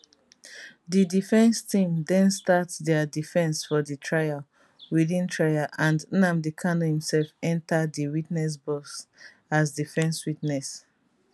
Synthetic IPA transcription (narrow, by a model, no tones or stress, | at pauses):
didifɛ̃nstʰĩmdɛ̃nstatðɛadifɛ̃nsfɔditʰɹaja | wiðĩntʰɹajaʔãndnãmdikʰanohĩmsɛlfɛ̃ntadiwitnɛs̬bɔs | asdifɛ̃nswitnɛs